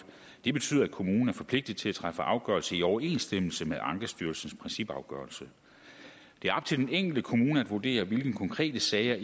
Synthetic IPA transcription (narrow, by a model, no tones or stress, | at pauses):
d̥e̝b̥e̝t͡sʰy̰ːðˠɐækʰo̝muːn̩æɐfɒ̽pʰle̝ɡ̥̚d̥ið̩ˠt͡sʰe̝læt͡sʰʁɑfəʔɑ̈ʊɡ̥ɶɐlsəiɒʊɐe̝̰nsd̥eml̩səmeʔɑ̈ŋɡ̥ɐsd̥yɐlsn̩spʰʁɛnsib̥ɑ̈ʊɡ̥ɶ̰ːɐlsə | d̥e̝æɐɒ̽b̥̚t͡sʰe̝ld̥eneŋ̰ɡ̥l̩d̥əkʰo̝muːnəæd̥ʋuɐd̥e̝̰ːɐʋe̝lɡ̥n̩kʰɒ̽ŋkʰʁɛ̰ːd̥əsɛɪɐ